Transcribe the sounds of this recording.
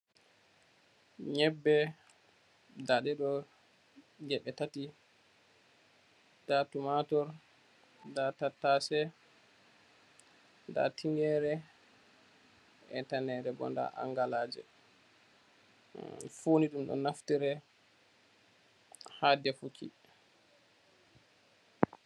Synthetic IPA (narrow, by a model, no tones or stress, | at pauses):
ɲɛbːɛ | daɗɛɗɔ | d͡ʒɛɓɛtati | datumatɔɾ | datatːasɛ | nda̰tiŋɡɛɾɛ | ɛtanɛɾɛbɔ̰nda̰ʔa̰ŋɡalaːd͡ʒɛ̰ | funiɗumɗɔ̰naftiɾɛ | hadɛfukʰḭ